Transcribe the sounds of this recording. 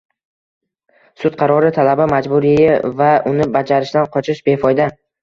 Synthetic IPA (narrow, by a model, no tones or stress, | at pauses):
sʊt̪̚qʰɑɾɒɾɪt̪ʰalabamad͡ʒbʊɾijavaʔʊnɪbad͡ʒaɾɪʃd̪anqʰɒt͡ʃʰɪʃbe̞fɒjd̪a